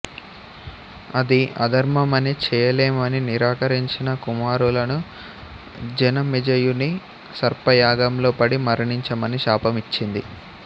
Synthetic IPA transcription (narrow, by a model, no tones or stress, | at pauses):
ɐd̪iɐ̰d̪ʱɐɾmɐmɐnit͡ʃɛːjɐleːmɐniniɾaːkɐɾiɲt͡ʃinɐkumaːɾulɐnu | d͡ʒɐnɐmid͡ʒɐjuni | sɐɾpɐjaːɡɐmlo̞ːpɐɽimɐɾɐɳiɲt͡ʃɐmɐniʃaːpɐmit͡ʃːind̪i